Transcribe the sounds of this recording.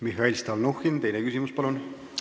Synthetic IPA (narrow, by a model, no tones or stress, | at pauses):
miɦɑilʲst̪ɑlnuxint̪e̞jnekysimuspɑlun